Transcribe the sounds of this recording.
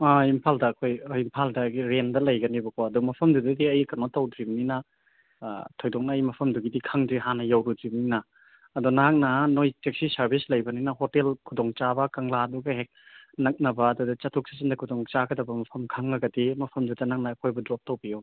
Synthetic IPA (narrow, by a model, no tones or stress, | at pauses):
aimpʰaldɐːkʰojimpʰaldɐɡiɾendɐlɐjɡɐnibɐkʰoɐdumɐpʰɐmdudɐdiɐjkɐnotɐwdɾibninɐ | tʰojdɔk̚naːjmɐpʰɐmduɡidikʰaŋdɾiɦanɐjɐwɾudɾibninɐː | dunak̚nɐnojtek̚sisɐɾbʱislɐjbɐninɐɦotelkʰudoŋt͡ʃabɐkaŋladuɡɐɦek̚nɐk̚nɐbɐːdudɐt͡ʃɐtʰuk̚si̥sindɐkʰudoŋt͡ʃaɡɐdɐbɐmɐpʰɐmkʰaŋːɐɡɐdimɐpʰɐmdudɐnak̚nɐːkʰojbɐdɾɔp̚tɐwbio